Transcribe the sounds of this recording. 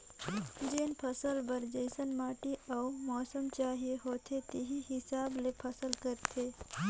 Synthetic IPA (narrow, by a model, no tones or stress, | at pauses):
d͡ʒeːnpʰɐsəlbɐɾd͡ʒəɪsənmaːʈiʔɐumɔːsəmt͡ʃaːɦieɦoːt̪ʰet̪eɦiɦɪsaːblepʰɐsəlkəɾt̪ʰe